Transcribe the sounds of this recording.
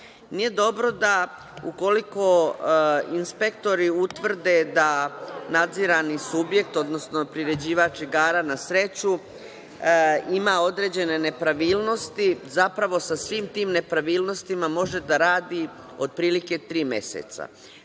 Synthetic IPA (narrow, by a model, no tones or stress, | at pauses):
nije̞d̪o̞bɾo̞d̪a | uko̞liko̞ | inspe̞kt̪o̞ɾiut̪ʋr̩d̪e̞d̪anad̪ziɾanisubje̞k̚t̪o̞d̪no̞sno̞pɾiɾe̞d͡ʑiːʋat͡ʃiɡaːɾanasɾe̞t͡ɕu | imao̞d̪ɾe̞d͡ʑe̞ne̞nepɾaʋiːlˠno̞st̪izapɾaʋo̞sasʋiːmt̪iːmne̞pɾaʋiːlˠno̞st̪imamo̞ʒe̞d̪aɾaːd̪i | o̞d̪̚pɾiːlike̞t̪ɾiːme̞̰sḛt̪sa̰